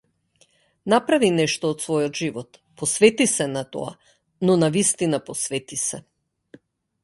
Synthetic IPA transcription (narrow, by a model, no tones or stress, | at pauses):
napɾavinɛʃt̪ɔːt̪svɔjɔt̪ʒivɔt̪pɔsvɛt̪isɛnat̪ɔ̰a̰ | nɔnavist̪inapɔsvɛt̪isɛ